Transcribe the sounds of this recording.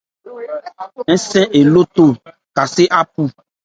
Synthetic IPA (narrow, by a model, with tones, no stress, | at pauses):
ɛ̃˦sɛ̃˦ʔe˨lo˦t̪o˦˨ | ka˨se˦ʔa˦pu˦˨